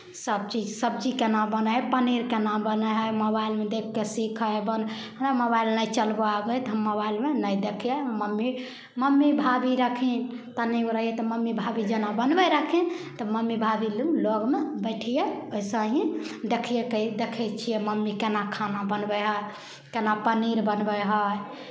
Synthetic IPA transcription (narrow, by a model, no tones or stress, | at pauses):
səb̚t͡ʃid͡ʒsəb̚t͡ʃikenabənəɦpəniɾkenambənəɦəməbailmed̪ekʰːesikʰəɦebən | ɦnaməbailnəjt͡ʃəlboabɛt̪ɔɦəmːəβailmenəjd̪ekʰijɛməmːi | məmːibʱabiɾəkʰin | t̪əniuɾəɦjɛt̪ɔməmːibʱabid͡ʒenabənbɛɾəkʰint̪ɔməmːibʱabilumloɡmebəɪʈʰijeoisə̃ɦĩd̪ekʰijekəd̪ekʰɛt͡ʃʰijɛməmːikenakʰanabənbəɦəj | kenapəniɾbənbəɦəj